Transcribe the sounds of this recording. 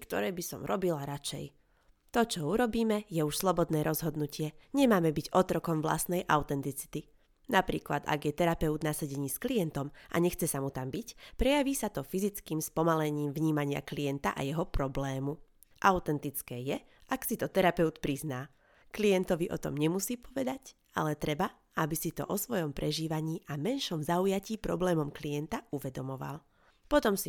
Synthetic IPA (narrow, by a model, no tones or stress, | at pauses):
kt̪ɔ̰ɾɛːbisɔ̰mɾɔbilaɾat͡ʃɛ̰j | t̪ɔt͡ʃɔuɾɔbiːmɛjɛuʃslɔbɔd̪nɛːɾɔzɦɔd̪nucɪɛɲɛmaːmɛbiɟɔt̪ɾɔkɔmʋla̰st̪nɛjʔaʊt̪ɛnt̪it͡si̥t̪i | napɾḭːkla̰d̪a̰ɡjɛt̪ɛɾapɛud̪nasaɟɛɲiːsklijɛnt̪ɔmʔa̰ɲɛxt͡sɛsamut̪ambicpɾɛjaʋiːsat̪ɔfizit͡skiːmspɔmalɛɲiːmvɲiːmaɲɪa̰klijɛnt̪aʔa̰jɛɦɔpɾɔblɛːmu | ʔaʊt̪ɛnt̪it͡skɛːjɛ | ʔaksit̪ɔt̪ɛɾapɛʊt̪pɾiznaː | klijɛnt̪ɔʋiʔɔ̰t̪ɔ̰mɲɛmusiːpɔʋɛd̪ac | a̰lɛt̪ɾɛba | abisit̪ɔ̰ʔɔsʋɔjɔmpɾʔɛʒiːʋaɲiːʔamɛnʃɔmzaujaciːpɾɔblɛːmɔmklijɛnt̪auʋɛd̪ɔmɔʋa̰l | pɔt̪ɔmsi